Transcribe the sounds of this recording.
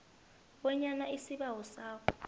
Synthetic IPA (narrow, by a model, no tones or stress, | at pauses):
wɔɲanaisiɓawɔsaːkʰɔ